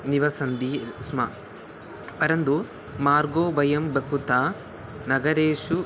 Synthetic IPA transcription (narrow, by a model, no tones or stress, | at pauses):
niʋɐsɐnd̪ismɐ̰ | pɐɾɐnd̪u | maːɾɡoːʋɐjɐmbɐkut̪aː | nɐɡɐɾeːʃu